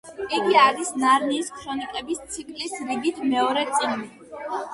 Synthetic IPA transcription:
iɡiaɾisnaɾniːskʰɾɔnikʼɛbist̪sʰikʰlisɾiɡit̪ʰmɛɔɾɛt̪sʼini

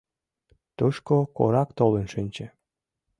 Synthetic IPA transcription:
t̪uʃkoko̰ɾɑkt̪olə̆nʃinʲt͡ɕĕ

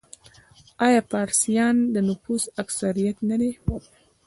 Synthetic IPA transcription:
ɑjɑpɑɾsijɑnd̪ənʊfusaksaɾijat̪nad̪e

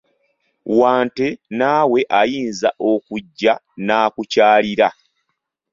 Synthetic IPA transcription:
waːnte̞naːwe̞ʔajiːnzaʔo̞kuɟːa | naːkucaːliɾa

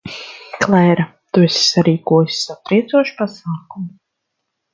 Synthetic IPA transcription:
klˠɛjɾa | t̪uɛsʲsaɾiːkuɔjsʲi̥sat̪ɾiɛt̪zuɔʃi̥pasaːkumu

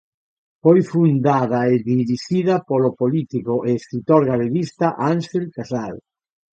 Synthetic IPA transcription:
fojfund̪aðɐeðiɾiʃiðɐpolopolit̪ikoʔeːskɾit̪oɾɣaleβist̪aʔaŋʃelkasal

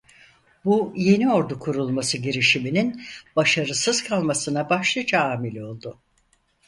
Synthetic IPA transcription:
buje̞nio̞ɾd̪ukʰuɾulˠmasɯɟiɾiʃimininb̥aʃaɾɯsɯz̥kʰalˠmasɯnabaʃlˠɯd͡ʒaaːmilʲo̞lˠd̪ʊ

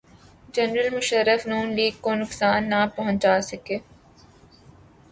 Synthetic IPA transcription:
d͡ʒɐnɾəlmʊʃəɾːəfnuːnliːɡ̚konʊksaːnːapɐɦʊ̃aːsɐkeː

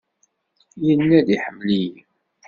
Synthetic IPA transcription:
jənːæðiħəmːlij

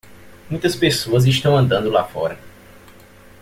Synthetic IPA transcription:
mũj̃t̪ɐspesoɐziʃt̪ɐ̃w̃ɐ̃nd̪ɐ̃nd̪ʊla̰fɔ̰ɾɐ

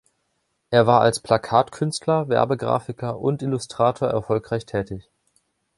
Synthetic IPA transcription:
ʔeːɐvaːɐʔa̰lspʰl̥akʰaːtkʰʏnstʰlɐvɛ̰ɐbəɡʁa̰ːfɪkɐʔʊ̰ntʔɪlʊstʁ̥aːtʰoːɐʔɛɐfɔlkʁ̥aɪçtʰɛːtɪç

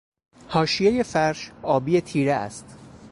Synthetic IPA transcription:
hɒːʃijejefæɾʃɒːbijet̪ʰiːɾeæ̰st̪

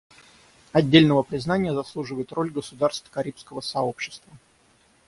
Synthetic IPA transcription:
ɐdʲːelʲnəvəpɾʲɪznanʲɪjəzɐslˠuʐɨvəjɪt̪ro̞lʲɡəsʊd̪arst̪fkɐɾʲipskəvəsɐo̞pɕːɪ̥st̪və

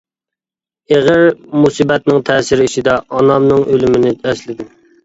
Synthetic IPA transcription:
eʁəɾmusibɛt̪nɪŋt̪ʰɛːsɪɾiʃid̪ɛʔɑnɑmnɨŋʔølymɪnɪɛslɪd̪ɪ

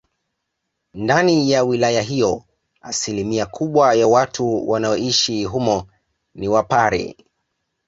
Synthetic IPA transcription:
ndanijawilajaɦijɔ | asilimiakʰuɓwajawatʰuwanaɔiʃiɦumɔ | niwapaɾɛ̰

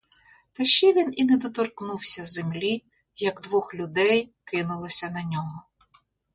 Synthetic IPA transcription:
t̪ɐʃt͡ʃɛʋʲininɛd̪ɔt̪ɔrknuwsʲɐzemlʲi | jɐɡd̪ʋɔxlʲʊd̪ɛjkɪnʊlˠɪsʲɐnɐnʲɔɦɔ

